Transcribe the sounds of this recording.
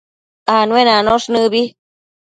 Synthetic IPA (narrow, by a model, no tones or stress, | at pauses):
anũẽnãnõʂnɨ̃βi